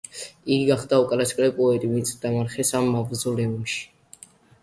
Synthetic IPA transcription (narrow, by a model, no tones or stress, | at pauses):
iɡiɡaχd̪aukʼaɾaskʼɾɛpʼɔɛt̪ʼimisʼd̪̥amaɾχɛsamːavzɔlɛumʃi̥